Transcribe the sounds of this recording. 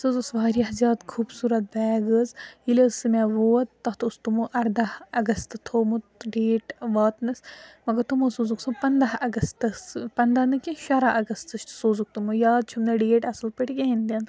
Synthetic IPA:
sɨzusʋaːɾijɐɦzʲjaːd̪kʰuːbsuːɾɐt̪̚bɛːɡəzilʲesɨmaʋoːɐt̪ːɐɦt̪ust̪umuʔɐɾd̪ɐɐɡɐst̪t̪ʰoːmut̪ɖeːʈʋaːt̪nɐsmɐɡɐɾt̪umosoːzuksɨpɐnd̪ɐɦɐɡɐst̪ɨspɐnd̪anɨkiʃɐɾaʔɐɡɐst̪ɨʃsoːzuk̚t̪umujaːd̪̚t͡ʃʰumnɐɖeːʈɐsɨlpiʈʰiɡʲeɦind̪ʲɐn

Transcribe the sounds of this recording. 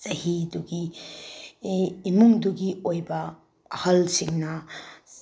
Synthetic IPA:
zɐɦiduɡi | muŋduɡiojbɐ | ɐhɐlsiŋnɐ

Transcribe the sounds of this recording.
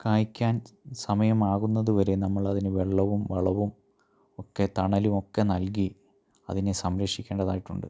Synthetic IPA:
kaːjikʲːaːnsɐmɐjɐmaːɣunːɐðuʋɐɾe̞nɐmːɐɭɐðinɨʋeɭːɐʋumʋeɭɐʋum | o̞kːe̞t̪ɐɳɐlumo̞kːe̞nɐlk̬i | ɐ̰ðinesɐmɾɐkʂikʲːeːɳɖɐðaːjiʈːuɳɖɨ̰

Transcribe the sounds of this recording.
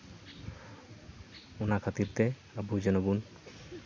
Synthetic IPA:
unakʰat̪iɾt̪ɛ | əbud͡ʒɔnɔbun

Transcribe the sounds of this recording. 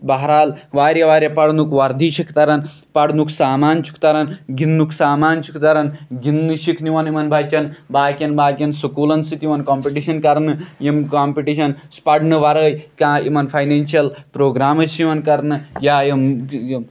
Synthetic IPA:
bɐɦɾaːlʋaːɾjɐʋaːɾʲjɐpɐɽnukʋɐɾd̪ʱiʃikt̪ɐɾɐn | pɐɽnuksaːmaːnt͡ʃʰu̥kt̪ɐɾɐnɡinːukʰsaːmaːnt͡ʃʰu̥kt̪ɐɾɐnɡinːuʃikʰniʋɐnimɐnbʱɐjt͡ʃɐnbaːkʲɐnbaːkʲɐnsukuːlɐnsit̪iʋɐnkoːmpiʈiʃɐnkɐɾnɨjimkaːmpiʈiʃɐnspɐɽnɨʋɐɾəːjkãːʔimɐnpʰɐjneːnʃijɐlpɾoːɡɾaːmɨt͡ʃʰiʋɐnkɐɾnɨjaːjimm

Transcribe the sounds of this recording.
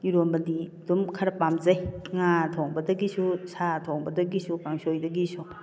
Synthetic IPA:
iɾombɐdidumkʰɐɾɐpamzɐjŋatʰoŋbɐdɐɡisusatʰoŋbɐdɐɡisukaŋsojdɐɡisu

